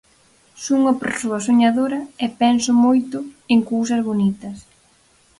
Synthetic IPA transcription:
suŋopo̰suɐsoɲaðoɾɐɛpɛnsʊmojt̪ʊeŋkowsɐzβonit̪ɐs

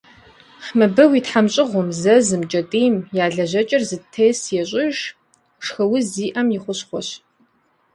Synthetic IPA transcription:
ħmɨbɨwitħamɕʼɪʁʷʊmzɐzɨmt͡ʃʼɐtʼiːmjaːɮɐʑɐt͡ʃʼɐrzɨtʰeːsjɛɕʼɪʒ | ʂxɐwʊziːʔɐmjɪχʷʊɕχʷɔɕ

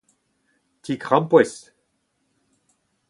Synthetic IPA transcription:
t̪ikʁɑ̃mpwɛs

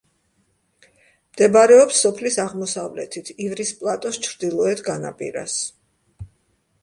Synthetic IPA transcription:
md̪̥ɛbaɾɛɔpsːɔpʰlisaʁmɔsavlɛ̰t̪ʰit̪ʰivɾispʼlˠat̪ʼɔst͡ʃʰɾd̪ilˠɔɛt̪ʰɡana̰pʼḭɾa̰s

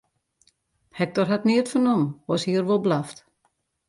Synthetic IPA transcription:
hɛk̚tɔrɦatniətfɔnɔmɔshiərʋolˠblaft

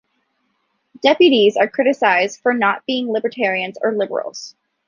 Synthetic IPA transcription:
d̥ɛpjɨɾizə˞kʰɹ̥ɪɾɨsaɪzd̥fə˞nət̚b̥iɪ̃ŋlɪbə˞tʰɛɹiɨ̃nzə̰˞lɪbə̰˞l̩ˠz̥

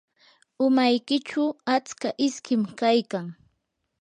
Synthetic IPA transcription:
ʊmajkɪt͡ʃʊat͡skaʔɪskɪmkajkaŋ

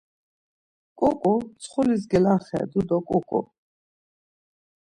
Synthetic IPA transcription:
kʼukʼut͡sʰχulis̬ɡɛlaχɛ̰d̪ud̪ɔkʼukʼṵ

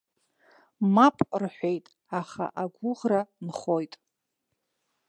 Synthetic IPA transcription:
mapʼrħʷᶣejtʼ | aχa̰ʔaɡʷʊʁranχo̞jtʼ

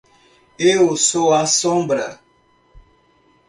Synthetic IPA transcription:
eosoasɔmbɾa̰

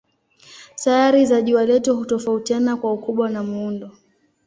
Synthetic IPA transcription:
sajaɾizaʄualɛtuɦutɔfautianakwaukuɓwanamuundɔ

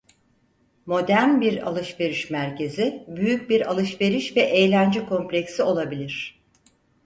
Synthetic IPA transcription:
mo̞d̪æɾnbiɾa̰lˠɯʃve̞ɾiʃmæɾce̞zibyjyc̚biɾalˠɯʃve̞ɾiʃvɛʔejlʲænd͡ʒɛkʰo̞mplʲecsio̞lˠabilʲiɾ̥

